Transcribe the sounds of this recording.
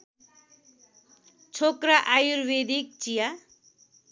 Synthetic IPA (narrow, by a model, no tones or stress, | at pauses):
t͡sʰokɾaʔajuɾwed̪ik̚t͡sija